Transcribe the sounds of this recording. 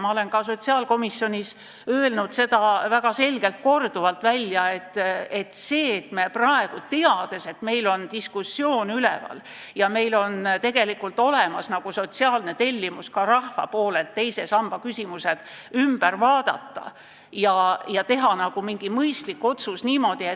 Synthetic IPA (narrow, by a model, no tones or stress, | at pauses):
mɑole̞nkɑs̬o̞t̪ʲsiɑːlko̞misːjo̞nʲis | øelnud̪se̞d̪ɑvæɡ̥ɑse̞lɡ̥e̞lt̪̚ko̞rd̪̥uvɑlt̪ˑvælʲːjɑe̞t̪ːe̞t̪se̞ːt̪meprɑe̞ɡ̥ut̪eɑd̪̥e̞se̞t̪me̞jlo̞nt̪iskusːjo̞ːnylḛvɑ̰l | jɑme̞jlo̞nt̪e̞ɡ̥e̞likːult̪ˑo̞lemɑsnɑɡ̥uso̞t̪siɑːlne̞t̪e̞lʲːimuskɑɾɑhfɑ̰poːle̞lt̪ːe̞jse̞sɑmb̥ɑkysʲimuse̞d̪̥ | ymb̥ærvɑːd̪̥ɑ̰t̪ːɑ̰ | jɑjɑt̪e̞ɦɑnɑɡ̥umiŋɡ̥imɤjst̪likːˑo̞t̪susniːmo̞d̪̥ie